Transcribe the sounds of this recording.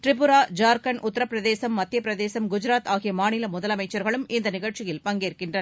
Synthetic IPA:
ʈɾɪpːʊɾaːd͡ʒaːɾkɐnʔʊt̪ːɐɾɐpːɾɐðeːsɐmːɐt̪ːɪjɐpːɾɐðeːsɐmɡʊd͡ʒɪɾaːt̪aːɣɪjɐmaːnɪlɐmʊðɐlɐmɐɪt͡ʃːɐɾɣɐɭɯmʔɪnd̪ɐnɪɣɐɭt͡ʃɪjɪlpɐŋɡeːrkɪndrɐn

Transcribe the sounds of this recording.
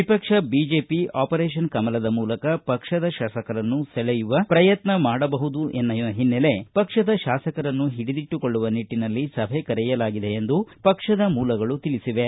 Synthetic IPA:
ʋipɐkʂɐbid͡ʒe̞ːpiaːpɐɾeːʃ̬ɐnkɐmɐlɐd̪ɐmuːlɐkɐpɐkʂɐd̪ɐʃaːsɐkɐɾɐnːusɛɭɛjuʋɐpɾɐjɐt̪nɐmaːɽɐbɐɦud̪uʔenːɐjɐɦinːele̞pɐkʂɐd̪ɐʃaːsɐkɐɾɐnːuɦiɽid̪iʈːuko̞ɭːuʋɐniʈːinɐlːisɐbʱekɐɾɛjɐlaːɡid̪e̞end̪upɐkʂɐd̪ɐmuːlɐɡɐɭut̪ilisiʋe̞

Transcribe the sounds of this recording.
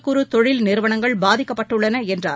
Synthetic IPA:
kːɯɾut̪ɔɻɪlnɪɾɯʋɐnɐŋɡɐɭbaːðɪkːɐpːɐʈːɯɭːɐnɐɛndra̰ː

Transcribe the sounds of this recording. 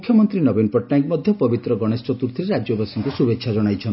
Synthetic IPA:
ukʰjɔmɔnt̪ɾinɔbenpɔʈnajkmɔd̪ʱjɔpɔbit̪ɾɔɡɔɽ̃est͡ʃɔt̪uɾt̪ʰiɾeɾad͡ʒjɔbasiŋkusubekʃʰad͡ʒɔɽ̃ajt͡ʃʰɔn

